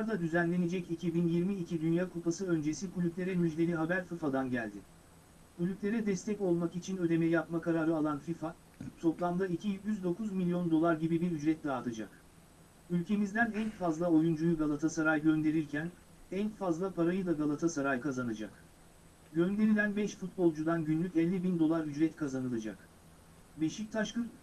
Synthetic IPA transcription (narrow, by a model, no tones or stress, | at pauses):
aɾd̪ad̪yzænlʲe̞ne̞d͡ʒɛcicʰibinjiɾmiːcʰid̪ynjaːkʰupasɯø̞nd͡ʒe̞sikʰulʲyplʲe̞ɾɛmyd͡ʒd̪ʲe̞lʲiɦabæɾfɯfad̪anɟælʲd̪ɪ | kʰulʲyplʲe̞ɾɛd̪ɛst̪ʰɛco̞lˠmakit͡ʃʰinø̞d̪e̞mɛjapmakaɾaːɾɯalˠanfifa | t̪ʰo̞plˠamd̪aicʰijyzd̪o̞kʰuzmilʲijo̞nd̪o̞lˠaɾɟibibiɾyd͡ʒɾɛt̪̚d̪aːt̪ʰɯd͡ʒa̰k | ylʲcʰe̞mizd̪ænɛnfazlˠao̞jund͡ʒujuɡalˠat̪ʰasaɾajɟø̞nd̪e̞ɾiɾcʰæn | ɛnfazlˠapʰaɾajɯd̪aɡalˠat̪ʰasaɾajkʰazanad͡ʒa̰k | ɟø̞nd̪e̞ɾilʲænbɛʃfut̪̚bo̞lˠd͡ʒud̪anɟynlʲycɛlʲːibind̪o̞lˠaɾyd͡ʒɾɛt̪kʰazanɯlˠad͡ʒa̰k | be̞ʃict̪ʰaʃkɯn